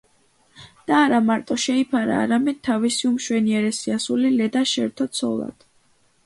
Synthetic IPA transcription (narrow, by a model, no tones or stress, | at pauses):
d̪̥aːɾamaɾt̪ʼɔʃɛipʰaɾa̰ːɾamɛd̪̥̚t̪ʰːavisiumʃwɛniɛɾɛsiasulilɛd̪aʃɛɾt̪ʰɔt̪sʰɔlˠa̰d̪̥